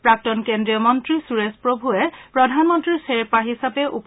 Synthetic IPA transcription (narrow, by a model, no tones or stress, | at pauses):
pɹak̚tɔnkendɹijɔmɔntɹisuɹespɹobʱuɛpɹɔdʱanmɔntɹiɹseɹpaɦisapɛʔup